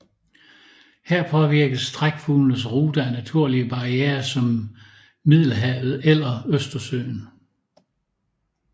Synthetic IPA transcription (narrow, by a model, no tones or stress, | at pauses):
heɐ̰pʰɒ̽ʋiɐ̰ɡ̥əsd̥ʁaɡ̥fulnəs̬ʁuːd̥ɐænæt͡sʰuɐ̰liəb̥ɑ̈ʁieːɐsɒ̽mː | ið̰ˠlɦɛʊð̩ˠelɐøsd̥ɐsø̰ːn